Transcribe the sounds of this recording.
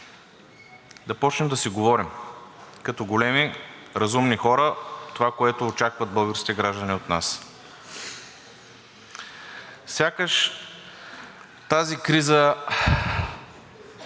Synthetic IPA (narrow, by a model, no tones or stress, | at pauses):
d̪ɐpɔt͡ʃnɛmd̪ɐsiɡovɔɾimkɐt̪ɔɡolɛmiɾɐzumnixɔɾət̪ovakoɛt̪oːt͡ʃakvəd̪̚bɤlˠɡəɾskʲit̪ɛɡɾaʒd̪əniot̪nas | sʲjakəʃ | t̪azikɾizə